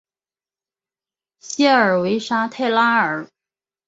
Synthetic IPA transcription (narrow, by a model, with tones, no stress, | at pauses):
ɕɛ˥ə˞˨˩we˧˥ɪʂa˥t̪ʰe˥˩ɪla˥ə˞˨˩˦